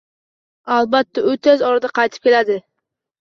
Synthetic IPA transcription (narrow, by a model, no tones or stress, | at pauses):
ɑlˠbat̪ːaɵt̪ʰezɒɾɑd̪ɑqʰɑjt̪ʰɨ̥p̚kʲelad̪ɪ